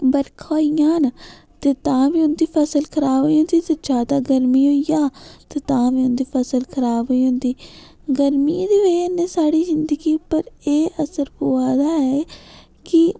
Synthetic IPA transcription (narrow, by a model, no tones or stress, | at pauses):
bəɾkʰoːijãːn | t̪eːt̪ãːʋiːʊnd̪iːpʰəsəlkʰəɾaːbɦoiːɦʊ̃nd̪iːt̪eːt͡ʃaːt̪aːɡəɾmiːɦoːijãːt̪eːt̪ãːʋiːʊnd̪iːpʰəsəlkʰəɾaːbɦoiːɦʊ̃nd̪iː | ɡəɾmiːd̪eːeneːsaːɽiːzɪnd̪əɡiːpəɾeːʔəsəɾpoːaːd̪aːɛː | kɪ